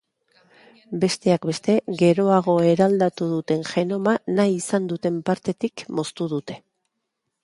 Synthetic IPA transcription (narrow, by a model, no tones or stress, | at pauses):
be̞st̪e̞akbe̞st̪e̞ɣe̞ɾo̞aɣ̞o̞e̞ɾald̪at̪uðut̪e̞nʝe̞no̞manajisand̪ut̪e̞mpaɾt̪e̞t̪ikmo̞st̪uð̞ut̪e̞̥